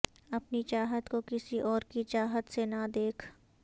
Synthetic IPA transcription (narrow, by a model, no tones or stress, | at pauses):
ɐpnit͡ʃaːɦət̪kokɪsiʔɔːɾkit͡ʃaːɦət̪senad̪eːkʰ